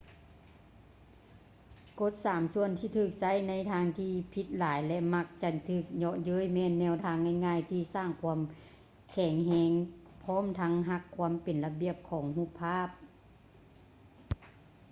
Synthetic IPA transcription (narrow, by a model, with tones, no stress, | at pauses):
ko˧˥t̪̚saː˨˩˦msu˧˩ənt̪ʰiː˧˩t̪ʰɯː˧˩k̚sa˧˥˨jna˧˥jt̪ʰaː˧˥ŋt̪ʰiː˧˩pʰi˧t̪̚laː˩˦jlɛ˧ʔma˧k̚t͡ɕa˧˩t̪ʰɯː˧˩k̚ɲɔ˧ʔjɤː˧˥˨jmɛː˧˨nːɛː˧˩˨wt̪ʰaː˧˥ŋhɛ˧˩jŋaː˧˥˨jt̪ʰiː˧˩saː˧˥˩ŋkʰu˧əm | kʰɛː˨˩ŋɦɛː˧ŋ | pʰɔː˧˥˨mt̪ʰa˧˥ŋɦa˧˥kʰːu˧˥əmpe˨˩nla˧bi˧˨əp̚kʰɔː˩˦ŋhuː˧˩pʰːaː˧˥˩p̚